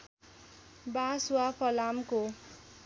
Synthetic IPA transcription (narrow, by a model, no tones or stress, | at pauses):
basuwapʰʌlamko